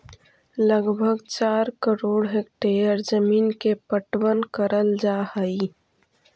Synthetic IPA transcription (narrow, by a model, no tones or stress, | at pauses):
ləɡbʱəɡt͡ʃaːɾkəɾoːɽɦekʈeəɾzəmiːnkepəʈwənkəɾəld͡ʒaːhəi